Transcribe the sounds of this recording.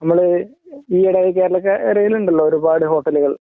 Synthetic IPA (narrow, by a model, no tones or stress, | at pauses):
nɐmːɐɭ | iːiɽɐjik̬eːɾɐɭɐk̬ːɨeɾɐjiluɳɖiɭːoːoɾubaːɽɨɦo̞ːʈːɐluɣɐɭ